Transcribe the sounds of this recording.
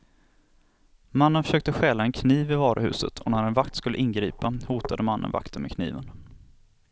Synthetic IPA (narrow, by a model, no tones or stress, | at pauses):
manːənfœʂøːk̚t̪əɧɛːlaɛnkʰniːvɪvɑːɾə̰hʉ̟̰ːsə̰t̪ʰɔnæɾɛnvakt̪skɵlːəʔɪnɡɾiːpahuːt̪ad̪əmanːə̰nva̰kt̪ənmɛkʰnḭːvən